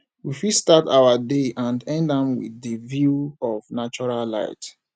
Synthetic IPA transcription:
wifistatawadeʔãndɛ̃ndãmwḭθəvjuɔvnat͡ʃɔɹalla̰ɪt

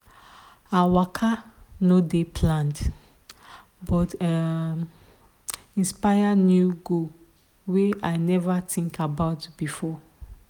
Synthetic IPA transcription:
awakʰanodepʰlãnd | bɔta | ĩnspaɪanjuɡo | weaɪnɛvatĩŋkabaʊtb̥ifɔ

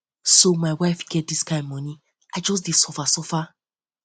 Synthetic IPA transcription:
somaɪwaɪfɡɛt̚diskãɪ̃mːɔni | aɪd͡ʒɔs̬didsɔfasɔfa

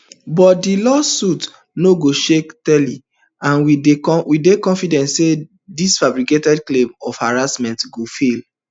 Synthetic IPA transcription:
bɔtdilɔsut | noɡoʃektɛli | ãnwieɔwidekɔ̃nfidɛ̃ntse | disfabɹiketɛdklẽmɔfhaɹasmɛ̃ntɡofel

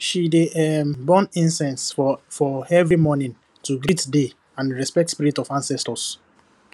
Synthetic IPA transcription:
ʃideɛmbɔ̃nĩnsɛ̃nsfɔɛvɹimɔnĩn | tuɡitde | ãnɹɛspɛk̚tspiɹitɔvãnsɛstɔs

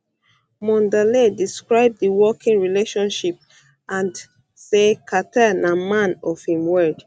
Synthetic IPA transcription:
mɔ̃ndalediskɹaɪb̚ðəwɔkĩŋɹileʃɔ̃nʃip̚ | ʔãn | sekʰatʰanamãnɔv̥hĩmwɜd̥

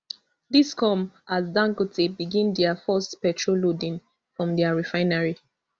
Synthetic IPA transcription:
diskʰɔmʔazdãŋkotʰebiɡĩndɛafɔstpɛtʰɹolodĩn | fɹɔ̃mdɛaɹifaɪnaɹi

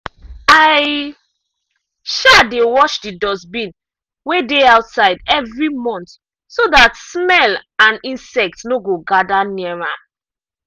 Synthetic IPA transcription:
aɪ | ʃadewɔʃdidɔsbĩn | wedeaʊtsaɪdɛvɹimɔ̃nt | sodatsmɛlãnĩnsɛk̚tnoɡoɡadaniɛɹa

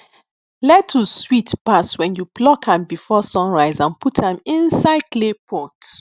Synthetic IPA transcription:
lɛtʰːuswitpaswɛ̃njublɔkʰãmbifɔsɔ̃nɹaɪzãnputʰãmĩnsaɪdlepʰɔ̃t

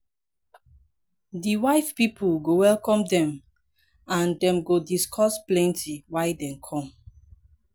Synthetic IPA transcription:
diwaɪfpipulɡowɛlkɔ̃mdɛ̃m | ãndɛ̃mɡodiskʰɔsplɛ̃ntʰiwajdɛ̃mkʰɔ̃m

